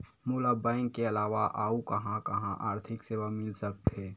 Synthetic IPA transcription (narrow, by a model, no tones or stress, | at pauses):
muːlabãɪŋkːeɐlaːʋaʔaːukɐɦãkɐɦãʔaːɾt̪ʰɪkseːʋamɪlsək̚t̪ɦeː